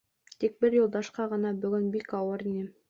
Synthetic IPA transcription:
t̪ik̚bɘɾjulˠd̪ɑʃqɑʁɤ̆nɑbɵ̆ɡɵnbikɑwɤɾinɘ

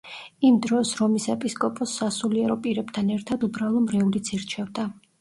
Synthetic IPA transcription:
imd̪ɾɔsɾɔmisɛpʼiskʼɔpʼɔsːasuliɛɾɔpʼiɾɛbt̪ʰanɛɾt̪ʰad̪ubɾalˠɔmɾɛulit̪sʰiɾt͡ʃʰɛvd̪a

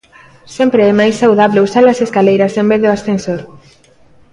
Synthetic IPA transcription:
sempɾeɛmajsːawðaβleusalɐseskalejɾɐsẽmbeðeoasθensoɾ

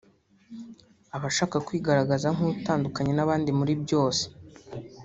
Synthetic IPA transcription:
aβaʃaːkakwiːɡaɾaɡazaŋ̥uutaːndukaɲe̞naβaːndimuɾibɟo̞ːse̥

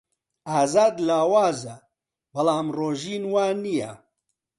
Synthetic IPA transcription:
aːzaːd̪laːwaːzɐ | bɐlaːmroːʒiːnwaːnijɛ̰

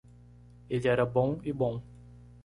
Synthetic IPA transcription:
elɪɛɾɐbõɪbõw̃

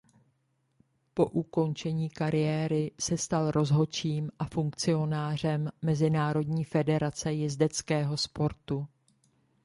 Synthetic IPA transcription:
po̞ʔuko̞nt͡ʃɛɲiːkaɾɪjɛːɾɪsɛst̪alɾo̞zɦo̞t͡ʃiːmʔafuŋk̚t͡sɪo̞naːr̝ɛmːɛzɪnaːɾo̞dɲiːfɛdɛɾat͡sɛjɪzdɛt͡skɛːɦo̞spo̞ɾt̪u

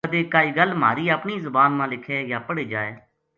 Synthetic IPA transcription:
əd̪eːkaːiːɡəlma̰ːɾiːəpɳiːzʊbaːnmãːlɪkʰeːjaːpəɽeːd͡ʒaːeː

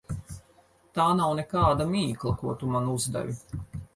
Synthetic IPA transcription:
t̪aːnawnɛkaːd̪amiːklˠɐkuɔt̪umanuzd̪a̰vʲi

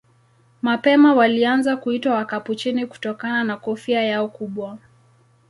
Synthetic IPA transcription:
mapɛmawalianzakuitwawakaput͡ʃiniku̥tɔkananakɔfiajaɔkuɓwa

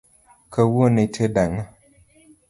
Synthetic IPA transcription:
kəwonetʰedaŋa

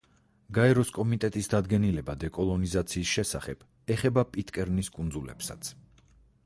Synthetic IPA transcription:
ɡaɛɾɔskʼɔmit̪ʼɛt̪ʼisd̪ad̪ɡɛnilɛbad̪ɛkʼɔlˠɔnizat̪sʰiːsʃɛsaχɛb̥ | ɛχɛbapʼit̪ʼkʼɛɾniskʼund̪zulɛ̰psa̰t̪sʰ

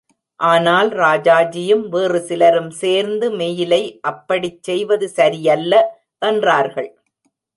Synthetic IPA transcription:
ʔaːnaːlɾaːd͡ʒaːd͡ʒɪjɯmʋeːrɯsɪlɐɾɯmseːɾnd̪ɯmejɪlɐɪʔɐpːɐɽit͡ʃːɛjʋɐðɯsɐɾɪjɐlːɐ | ʔɐndraːɾɣɐɭ

